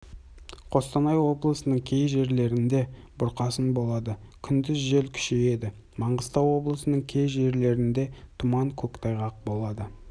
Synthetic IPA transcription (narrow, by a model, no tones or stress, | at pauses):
qʰo̞st̪ɑnɑjwo̞blˠəsənəɴkʲʰe̞jʒe̞ɾle̞ɾɪnd̪e̞ | bʊɾqɑsənbo̞lˠɑd̪əkʲʰʏnd̪ɪzʒe̞lkʲʰʏ̥ʃeje̞d̪ɪ | mɑɴʁəst̪ɑwwo̞blˠəsənəɴkʲʰe̞jʒe̞ɾle̞ɾɪnd̪e̞t̪ʰʊmɑŋkʲʰɵkt̪ʰɑjʁɑq̚bo̞lˠɑd̪ə